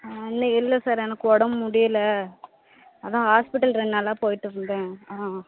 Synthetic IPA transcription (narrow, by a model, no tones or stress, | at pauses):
nːɐɪlːɐsaːɾɛnɐkːɯɔɽɐmːʊɽɪjɐlɐ | ɐðãːɦaːspɪʈːɐlɾɛɳːaːlaːpoːjɪʈːɯɾɯnd̪ẽːa